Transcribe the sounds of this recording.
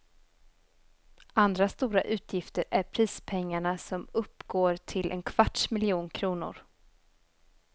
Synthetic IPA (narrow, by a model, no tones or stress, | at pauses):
ʔand̪ɾast̪uːɾaʔʉ̟ːt̪ʰjɪft̪əɾæɾpʰɾiːspʰɛŋːaɳasɔmɵpːɡoːɾʈʰɪlʔɛ̰nkʰv̥aʈʂmɪlɪuːnkʰɾuːnʊ̰ɾ